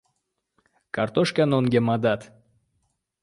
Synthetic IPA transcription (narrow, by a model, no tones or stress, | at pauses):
kart̪oʃkʲanonɡʲemad̪at̪